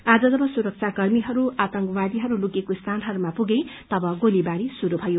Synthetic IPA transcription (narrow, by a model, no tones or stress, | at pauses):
ad͡zʌd͡zʌbʌsuɾʌk̚t͡sʰakʌrmiɦʌɾuat̪ʌŋkwad̪iɦʌɾuluɡekost̪ʰanɦʌɾumapuɡejt̪ʌbʌɡolibaɾisuɾubʱʌjo